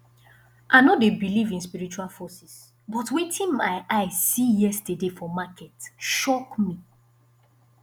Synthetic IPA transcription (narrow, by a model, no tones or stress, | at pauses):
ʔaɪnodebilivĩnspiɹit͡ʃualfɔsis | bɔtwetʰĩnmaɪʔaɪsijɛstədefɔmakʰɛtʃɔkmi